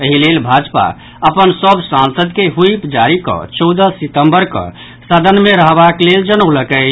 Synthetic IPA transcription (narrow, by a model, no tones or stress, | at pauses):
əɦilelbʱad͡ʒpa̰ | əpənsəbʱsãnsəd̪keɦuipd͡ʒaɾikɔ̰̃t͡ʃəwd̪əsit̪əmbəɾkə̰̃ | sad̪ʱənmeɾəɦbakleld͡ʒənəwləkə